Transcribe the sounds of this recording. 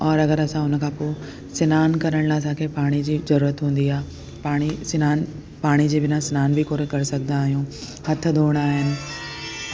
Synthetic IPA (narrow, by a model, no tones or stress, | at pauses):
ɔːɾɐɣəɾɐsãʊnə̆kʰãːpoː | sɪnaːnkɐɾəɽ̃laːsãːkʰepaːɽ̃id͡ʑiːzɐɾuːɾət̪ɦũːn̆d̪iaːɦe | paːɽ̃isɪnaːn | paːɽ̃id͡ʑeːbɪnãsɪnaːnbɪkoːɾekɐɾɪsɐɡʱənd̪aːɦijũː | hɐt̪ʰə̆d̪ʱoːɽ̃aːɦɪnɪ̆